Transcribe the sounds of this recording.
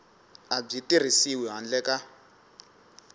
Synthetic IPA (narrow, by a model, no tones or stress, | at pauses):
ab͡ʐitir̤isiwiɦand͡ɮɛka